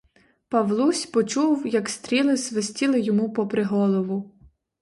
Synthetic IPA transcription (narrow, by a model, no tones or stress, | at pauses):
pɐʋlˠusʲpɔt͡ʃuwjɐkst̪ɾʲilˠɪsʋesʲtʲilˠɪjɔmupɔpɾeɦɔlˠɔʋʊ